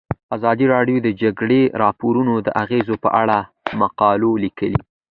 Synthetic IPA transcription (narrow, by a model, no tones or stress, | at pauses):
azɑd̪iɾɑɖjod̪əd͡ʒaɡɽeɾɑpoɾunod̪ə̰ʔaɣezopə̰ʔaɽa | maqɑlolikəlḭ